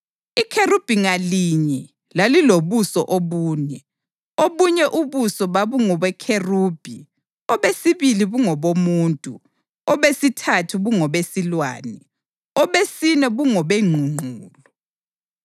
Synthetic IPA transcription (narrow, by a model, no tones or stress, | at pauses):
ikʰerub̥ʱiŋaliɲɛ | laliloβusɔʔoβuːnɛ | oβuɲɛʔuβusɔβaβuŋɔβɛkʰeruːb̥ʱi | ɔβesiβiliβuŋɔβomuːntʼṵ | ɔβesitʰatʰuɣuŋɔβesilwa̰ːnɛ | ɔβesinɛβuŋɔβeŋ͡ǃʱuŋ͡ǃʱuːlɔ